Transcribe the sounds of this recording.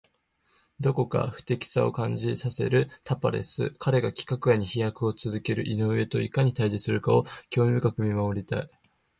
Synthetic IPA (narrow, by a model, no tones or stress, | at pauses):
d̪o̞ko̞ka̰ɸɯ̟̥t̪e̞kʲi̥sao̞̰kãɲ̟d͡ʑisase̞̰ɾɯ̟t̪apa̰ɾe̞̰sɨ̰kʰaɾe̞ɡakʲi̥kakɯ̟jaɲ̟içijakɯ̟o̞t͡sɨzɨke̞ɾɯ̟ʔinoɯ̟e̞t̪o̞ikaɲ̟it̪aiʑisɨɾɯ̟kao̞kʲo̞ːmʲibɯ̟kakɯ̟mʲimaoɾʲit̪a̰i